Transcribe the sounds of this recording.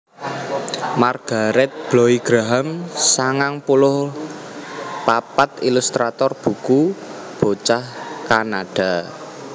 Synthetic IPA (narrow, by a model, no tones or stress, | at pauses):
marɡ̥a̤ɾɛt̪̚b̥loiɡ̥ɾaɦamsaŋaŋpulʊh | papat̪ilust̪ɾat̪ɔrb̥ṳku | b̥ot͡ʃahkanaɖ̥a̤